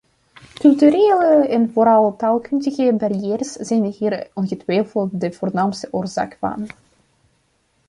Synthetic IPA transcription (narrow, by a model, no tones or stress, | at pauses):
kɵlˠtyɾeːləɛnvoːɾɑlˠtaːlˠkɵndəɣəbarijɛːrsz̥ɛjnɦiːrɔnɣətʋɛjfəlˠt̚dəv̥oːrnaːmstəʔoːrza̰ːkfɑ̰n